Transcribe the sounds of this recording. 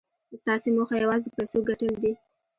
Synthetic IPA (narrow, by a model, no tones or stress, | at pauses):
əst̪ɑsemoxajawɑzed̪əpajsoɡaʈəld̪i